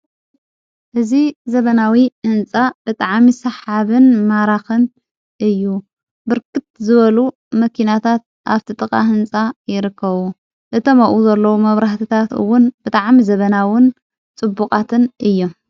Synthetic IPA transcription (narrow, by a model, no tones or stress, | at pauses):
ʔɨzizɐβɐnawiʔɨnt͡sʼab̥ɨt̪ʼaʕmisɐħaβɨnmaɾaxɨn | ʔɨjːu | bɨɾkɨt̪̚zɨβɐlu | mɐkʰinat̪ʰat̪̚ʔa̰βt̪ʰit̪ʼɨkʼa̰ɦɨnt͡sʼajɪɾɨkʰːɐβu | ʔɨt̪ʰɐmaʔuzɐlːɐwumɐβɾaht̪ʰit̪ʰat̪ɨ̰wʊnb̥ɨt̪ʼaʕmizɐβɐnawʊn | t͡sʼɨbukʼat̪ʰɨnʔɨjːu